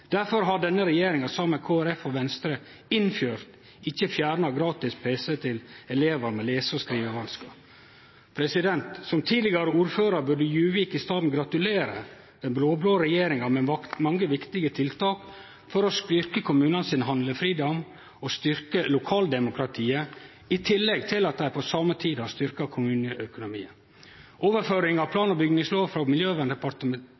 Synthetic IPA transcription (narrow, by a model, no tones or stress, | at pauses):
d̪̥æɾfɔɾɦɑɖɛnːəɾɛjeːɾɪŋɑsɑːməkʰoːæɾɛfɔʋɛnst̪ɾə | ɪnfjøːɾt̪ | ɪçːəfjæːɾɳɑɡɾɑːt̪ɪspʰeːsət̪ʰɪlɛleːʋəɾmɛleːsɔskɾiːʋəʋɑnskɑ | pʰɾɛsɪd̪ɛnt̪sɔmt̪ʰiːlɪɡɑɾəuːɾføːɾɑɾbʉɖəjʉːʋiːkɪst̪ɑːd̪n̩ɡɾɑt̪ʉleːɾə | d̪̥ɛnbloːbloːɾɛjeːɾɪŋɑmɛmɑŋːəʋɪkt̪ɪɡət̪ʰɪlt̪ʰɑːk | fɔɾɔst̪ʏɾkəkʰʊmʉːnɑnəsɪnɦɑnd̪ləfɾiːd̪ɔm | ɔst̪ʏɾkəlʊkʰɑːld̪ɛmʊkɾɑt̪ʰiːə | ɪt̪ʰɪlːɛɡt̪ʰɪlɑt̪̚d̪æɪpʰɔsɑːmət̪ʰiːd̪hɑst̪ʏɾkɑkʰʊmʉːnəʔœkʊnʊmḭːə | ʔoːʋəɾføːɾɪŋɑʋpʰlɑːnɔbʏɡnɪŋsloːʋfɾɔmɪljøːʋɛnd̪ɛpɑɾt̪əm